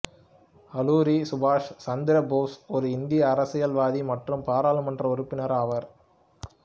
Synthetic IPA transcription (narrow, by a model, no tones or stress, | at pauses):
ɐluːɾisʊbaːʂsɐnd̪ɪɾɐboːsɔɾɯɪnd̪ɪjɐːɾɐsɪjɐlʋaːðimɐʈrɯmpaːɾaːlɯmɐndrɐɔɾɯpːɪnɐɾɐʋɐɾ